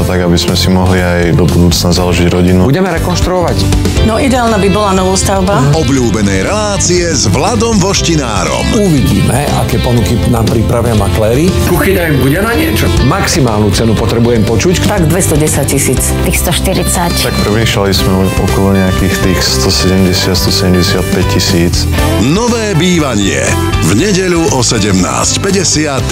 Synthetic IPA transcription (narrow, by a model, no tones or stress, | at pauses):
ɔt̪aɡabizmɛsimɔɦliajd̪ɔbud̪uːt͡snazalɔʒiɟɾɔɟinubuɟɛmɛɾɛkɔnʃt̪ɾuɔʋac | nɔid̪ɛaːlnabibɔlanɔʋuːst̪aʊbaɔbʎuːbɛnɛjɾɛlaːt͡siɛzʋlad̪ɔmvɔʃcina̰ːɾɔ̰muʋiɟḭːmɛ | akɛːpɔnukinampɾipɾaʋɪamaklɛːɾikuxiɲaimbuɟɛnaɲɪɛt͡ʃɔmaksimaːlnut͡sɛnupɔt̪ɾɛbujɛmpɔt͡ʃuct̪aɡd̪ʋɛst̪ɔɟɛsac̚cisiːt͡st̪ixst̪ɔʃt̪iɾit͡sact̪akpɾ̩ʋiːʃalismɛ | ɔ̰kɔlɔɲɛakiːxt̪iːxst̪ɔsɛɟɛmɟɛsɪat̪st̪ɔsɛɟɛmɟɛsɪat̪̚pɛc̚cːisiːt͡s | nɔʋɛːbiːʋaɲɪɛ̰ | vɲɛɟɛʎuʔɔsɛɟɛmna̰ːscpɛɟɛsɪat̪